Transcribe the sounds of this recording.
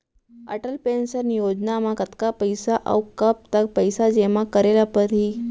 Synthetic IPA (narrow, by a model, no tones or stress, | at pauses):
ə̰ʈəlpensəɾnijod͡ʑnamakət̪kapəjsaʔə̰wkəp̚t̪ək̚pəjsad͡ʑeʋakəɾeljapəɾɦiː